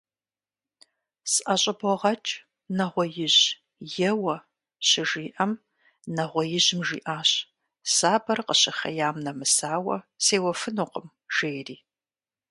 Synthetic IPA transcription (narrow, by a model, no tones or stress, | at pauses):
sʔɐɕʼɐbɔʁɐt͡ʃʼ | nɐʁʷɔjɪʑ | jɛwɐ | ɕɪʒiːʔɐm | nɐʁʷɔjɪʑɪmʒḭːʔaːɕ | saːbɐrqəɕɪχɐ̰jaːmnɐmɨsaːwɐ̰seːwɐfɨnuːqəm | ʒ̥eːjriː